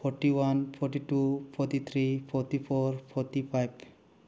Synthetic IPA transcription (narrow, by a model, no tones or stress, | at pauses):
pʰɔɾʈiwanpʰɔɾʈiʈupʰɔɾʈit̪ʰɾipʰɔɾʈipʰɔɾpʰɔɾʈipʰajb